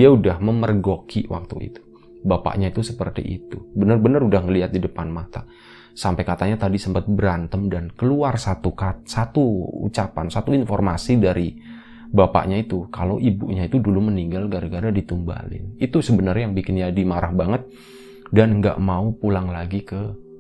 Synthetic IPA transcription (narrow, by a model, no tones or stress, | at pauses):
diaudahməmərɡokʰiwʔa̰k̚t̪uḭt̪u̥ | bapa̰ʔɲait̪usəpərt̪ḭʔḭt̪ubənərbənərudahŋəliɦat̪̚didəpanmat̪a | sampajkat̪aɲat̪adisəmpət̪̚bəɾant̪əmdankəluarsat̪ukat̪sat̪uṵt͡ʃapa̰nsat̪uinfɔrmasidaɾi | bapa̰ʔɲait̪ukalo̰ʔibṵʔɲait̪uduluməniŋɡalɡaɾaɡadadit̪umba̰lɪ̰nit̪usəbənərjaŋbikɪnjadimaɾʔahbaŋət̪̚ | danŋɡa̰ʔmaupulaŋlaɡikə